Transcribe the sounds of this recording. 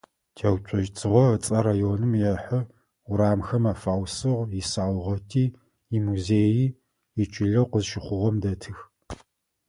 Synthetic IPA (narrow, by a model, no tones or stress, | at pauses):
tʰeɐwt͡ʃʷʰʼɔʒt͡sʰɨʁʷɔət͡sʼɐɾaːjonɨmjɛħʊ | ɾaːmxɐmaːfaːwsɨʁʷjɪsaːwʷʁɐtʰiː | imuzeːjiː | ɪt͡ʃʼɪɮɐwqəzʃɪχʷʊʁɔmdɐtʰɨx